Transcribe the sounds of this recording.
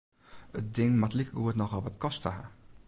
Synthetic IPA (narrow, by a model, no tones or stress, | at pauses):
ət̚dɪŋmatlikəɡuətnɔχɑlˠʋɑtkɔstəa̰